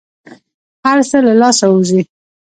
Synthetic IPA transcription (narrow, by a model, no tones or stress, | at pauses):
haɾsəlalɑsauzi